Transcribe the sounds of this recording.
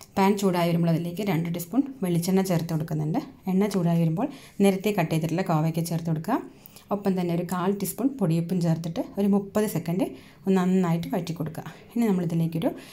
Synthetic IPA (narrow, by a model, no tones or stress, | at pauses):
paːnt͡ɕuːɽaːjiʋɐɾumbuɭːɐðile̞ːk̬ʲːɨɾeɳɖɨɖispuɳʋe̞ɭit͡ɕːeɳːɐt͡ɕeːrt̪ːikoɽukːunːɳɖɨeɳːɐt͡ɕuːɽaːjiʋɐɾumbo̞ːɭ | neɾɐt̪ːekɐʈːejt̪ːiʈːilːɐkoːʋekʲːet͡ɕert̪ːikoɽukːaːm | opːɐmt̪ɐnːeo̞ɾukaːlʈispuɳpoɽijupːumt͡ɕeːrt̪ːiʈːɨo̞ɾumupːɐðɨsekːɐɳɖɨ | onːɐnːɐnaːjiʈːɨmɐʈːikʲːo̞ɽukːa̰ | inːenɐmːɐɭɐt̪ðile̞ːkʲːoɾu